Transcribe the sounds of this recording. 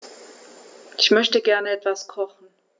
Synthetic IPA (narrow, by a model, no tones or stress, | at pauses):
ʔɪçmœçtəɡɛɐnəɛtv̥askʰɔχn̩